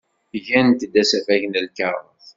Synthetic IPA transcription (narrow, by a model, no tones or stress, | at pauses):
ʝænt̪əd̪æsæfæʝnəlkəɾˤə̰θ